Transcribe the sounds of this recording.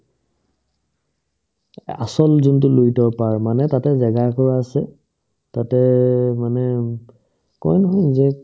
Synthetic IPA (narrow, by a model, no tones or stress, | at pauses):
a̰sɔlzuntʊlojtɔpaɹmanɛtatɛzɛɡakɔɹaːsɛ | tatɛmanɛ | kɔ̰jnɔɦɔzɛ